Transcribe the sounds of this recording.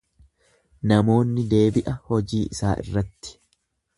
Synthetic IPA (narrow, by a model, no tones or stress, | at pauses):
nɐmo̞ːnːɪd̪e̞ːbɪʔɐhɔd͡ʒiːʔɪsaːʔɪ̰rːɐt̪ːɪ̥